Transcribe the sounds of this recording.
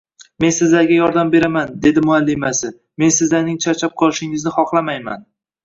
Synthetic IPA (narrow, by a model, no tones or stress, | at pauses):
me̞nsɪzlaɾɡʲajɒɾd̪ambe̞ɾamand̪e̞d̪ɪmʊalːɪmasɪ | me̞nsɪzlaɾnɪŋt͡ʃʰat͡ʃʰap̚qʰɒlˠɪʃɪŋɪznɪχɒqlˠamajma̰n